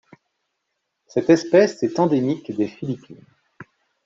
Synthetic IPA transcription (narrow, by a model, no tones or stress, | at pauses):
sɛt̪ɛspɛsɛt̪ɑ̃d̪emikd̪efilipʰin